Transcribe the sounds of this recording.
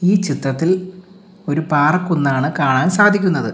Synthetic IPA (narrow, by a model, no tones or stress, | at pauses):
iːt͡ɕit̪ːɐt̪ːil | o̞ɾupaːrɐkːunːaːɳɨkaːɳaːnsaːd̪ʱikʲːunːɐðɨ